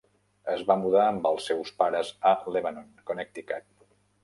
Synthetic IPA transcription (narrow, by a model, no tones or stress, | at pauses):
əzβamuðaəmbəlˠsːɛwspaɾəzəleβanonkonek̚t̪ikat̪̚